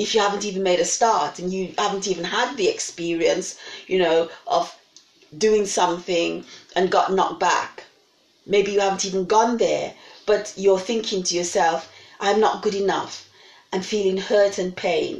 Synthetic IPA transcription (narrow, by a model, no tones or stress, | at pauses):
ɨfjɨhævə̃n̩tivɨ̃nmeɪɾɨstɑɹɾɨ̃njɨhævə̃ntivɨ̃n̩əd̪̚ðiɨkspɪɹiɨ̃nsjɨnoʊʔʌv | dʉɪ̃ŋsʌ̃mθɪ̃ŋʔɨ̃nɡɑ̰ʔⁿnə̰k̚b̥æ̰k | meɪbijɨhævn̩tiṽn̩ɡɔ̃nðə˞b̥ʌt͡ʃə˞θɪ̃ŋkʰɪ̃ŋtʰɨjə˞sɛlˠfʔãɪ̃mnə̰t̚ɡ̥ʊɾɨnʌ̰f | ʔãɱfilˠɪ̃ŋhɜ˞ɾɨ̃npʰẽɪ̃n